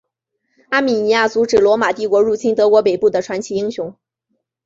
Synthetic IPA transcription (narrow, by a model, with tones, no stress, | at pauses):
a˥mi˨˩ni˧˥ja˥˩t͡su˧˥ʈ͡ʂɻ̩˨˩lwɔ˧˥ma˨˩t̪i˥˩kwɔ˧˥ɻu˥˩t͡ɕʰi˥nt̪ɤ˧˥kwɔ˧˥p̬e˨˩ɪpu˥˩d̪ə˩ʈ͡ʂʰwa˧˥nt͡ɕʰi˧˥i˥ŋɕjʊ˧˥ŋ